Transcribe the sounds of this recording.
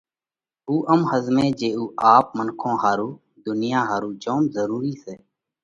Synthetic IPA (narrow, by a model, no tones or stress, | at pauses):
uːʔəmhəzmẽːd͡ʒeːuːʔaːp̚mənkʰõːɦaːɾuː | d̪ʊnɪjãːɦaːɾuːd͡ʒoːmzəɾuːɾiːseː